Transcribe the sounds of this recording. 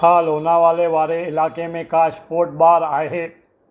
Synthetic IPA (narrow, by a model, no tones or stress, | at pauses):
aːlɦoːnaʋaːleʋaːɾeɪlaːkemẽkaɪspoːɾʈ̚baːɾaːeɦeː